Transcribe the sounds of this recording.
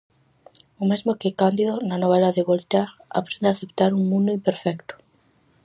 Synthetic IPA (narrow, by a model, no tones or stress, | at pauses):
omezmokekand̪iðonanoβ̞elaðeβolt̪aɾa̰pɾẽnd̪aθep̚t̪aɾuŋmũnd̪oimpeɾfɛkt̪o̥